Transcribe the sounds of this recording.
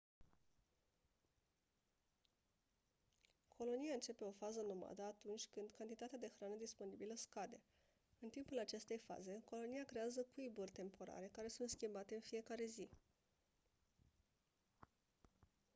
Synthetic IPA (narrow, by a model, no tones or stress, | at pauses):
kʰo̞lo̞nijaɨnt͡ʃe̞pe̞o̞fazəno̞ma̰d̪əat̪unt͡ʃʲkɨnd̪kant̪it̪at̪ead̪e̞xɾanəd̪ispo̞nibiləskad̪e̞ | ɨnt̪impulat͡ʃe̞st̪e̞jfa̰ze̞ko̞lo̞nijakɾe̞azəkuiburʲt̪e̞mpo̞ɾa̰ɾe̞kaɾe̞sunt̪skʲimbat̪e̞ɨnfije̞kaɾe̞zi